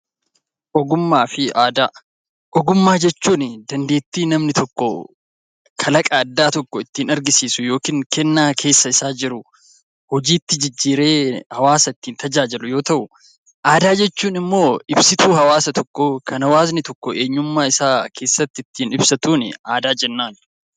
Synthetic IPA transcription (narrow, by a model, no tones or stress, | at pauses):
ʔɔɡʊmːaːfɪʔaːd̪aː | ʔɔɡʊmːaːd͡ʒɛt͡ʃːuːnɪd̪ɐnd̪e̞ːt̪ːiːnɐmnɪt̪ɔkːɔ | kʰɐlɐkʼɐːd̪ːaːt̪ɔkːɔɪt̪ːiːnɐɾɡɪsiːsʊjo̞ːkiːŋkɛnːaːkʰe̞ːsːɐɪsaːd͡ʒɪɾʊ | hɔd͡ʒiːt̪ːɪd͡ʒɪd͡ʒːiːɾe̞ːhɐwaːsɐɪt̪ːiːnt̪ɐd͡ʒaːd͡ʒɪlʊjo̞ːt̪ɐʔʊ | ʔaːd̪aːd͡ʒɛt͡ʃːuːnɪmːo̞ːɪbsɪt̪uːɦɐwaːsɐt̪ɔkːɔkʰɐnɐwaːznɪt̪ɔkːɔʔeːɲːʊmːaːɪsaːkʰe̞ːsːɐt̪ːɪɪt̪ːiːnɪbsɐt̪uːnɪ̰aːd̪aːd͡ʒɛnːaːn